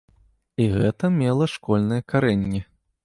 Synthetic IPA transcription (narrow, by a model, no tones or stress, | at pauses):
iɣɛt̪ɐmʲɛlˠɐʂkɔlʲnɨjɐkaɾɛnʲːɛ